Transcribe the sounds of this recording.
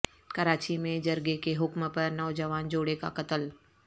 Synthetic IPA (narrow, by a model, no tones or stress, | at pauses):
kɐɾaːt͡ʃimẽd͡ʒɐɾɡekeɦʊkmpɐɾnɔːd͡ʒɐʋaːnd͡ʒoːɽeka̰kɐt̪əl